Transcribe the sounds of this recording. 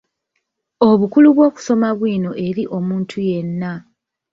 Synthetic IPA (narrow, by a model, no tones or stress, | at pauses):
o̞βukuluβwo̞ːku̥so̞maβwiːno̞ʔe̞ɾiʔo̞muːntʰuje̞nːa